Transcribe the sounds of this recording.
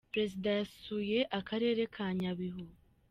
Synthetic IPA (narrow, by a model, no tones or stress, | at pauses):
pɾe̞zidajassuje̞ʔakaɾe̞ːɾe̞kʰaɲaβiɦuɡu